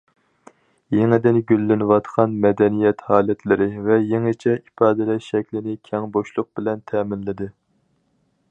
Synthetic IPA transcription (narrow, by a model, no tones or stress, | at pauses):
jeŋɪd̪ɪnɡʲylːɪnwɑt̪qʰɑnmɛd̪ɛnijɛt̪hɑːlɛt̪ʰlɪɾɪvɛjeŋɪt͡ʃʰɛipɑːd̪ɪlɛʃɛkʲlɪnɪkʲʰɛŋboʃlˠʊq̚bɪlɛnt̪ʰɛːmɪnlɪd̪ɪ